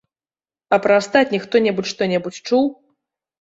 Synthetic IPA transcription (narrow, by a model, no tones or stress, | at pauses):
ɐpɾɐast̪atʲnʲixt̪ɔnʲɛbut͡sʲʂt̪ɔnʲɛbut͡sʲt͡ʂuw